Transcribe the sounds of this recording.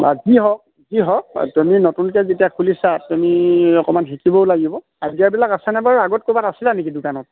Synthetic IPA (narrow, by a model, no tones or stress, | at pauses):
a̰ziɦɔk | ziɦɔktuminotunkɛzetiakʰulisatumiɔkɔmanxikibɔʊlaɡibɔ | adiaɹbilakasɛnɛbaɹuaɡɔt̚kobatasilanekidukanɔt̚